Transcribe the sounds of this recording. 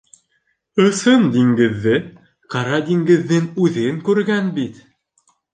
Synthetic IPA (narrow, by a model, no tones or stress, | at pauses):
ɤ̆sɤnd̪iŋɡɘ̆ðːɘ | qɑɾɑd̪iŋɡɘ̆ðːɘŋʉðɘŋkʉɾɡænbit̪